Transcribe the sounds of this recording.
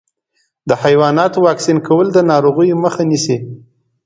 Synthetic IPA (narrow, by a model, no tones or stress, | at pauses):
d̪əhajwɑnɑt̪owɑksinkʰawəld̪ənɑɾoɣəjoməxanisi